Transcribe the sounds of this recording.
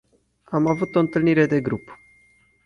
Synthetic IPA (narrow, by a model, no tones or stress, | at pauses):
amavut̪o̞ɨnt̪ɨlniɾe̞d̪e̞ɡɾup